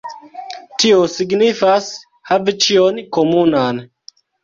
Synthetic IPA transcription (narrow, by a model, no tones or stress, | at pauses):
tʰiosiɡnifas | havit͡ʃionkomunan